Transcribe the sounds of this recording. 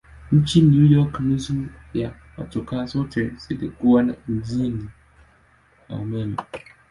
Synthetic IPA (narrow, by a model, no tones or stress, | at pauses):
ɲ̩t͡ʃʰinujɔknũsu | a | a̰tʰʊkʰasotʰɛɾsɛdekuanã̰n̩d͡zinĩ | a̰mɛ̃n